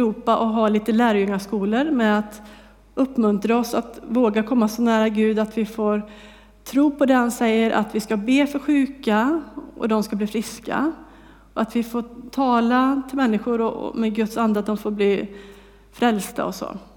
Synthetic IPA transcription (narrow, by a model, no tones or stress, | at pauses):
ɾuːpaʔɔɦaliːt̪əlæːɾjɵŋːaʂkuːləɾmɛat̪ | ɵpːmɵnt̪ɾaɔsat̪voːɡakʰɔmːasɔnæːɾaɡʉ̟ːd̪at̪vɪfoːɾ | t̪ʰɾuːpʰɔd̪ɛːhansɛjːəɾʔa̰t̪vɪskabeːfœɾɧʉ̟ːkaʔɔ̰d̪ɔmskabliːfɾɪska̰ | ɔat̪vɪfoːt̪ʰɑːlat̪ʰɪlmɛnːɪɧʊɾɔ̰mɛɡɵt̪sand̪at̪̚d̪ɔmfoːɾbliː | fɾɛlsd̪a̰ɔso̰ː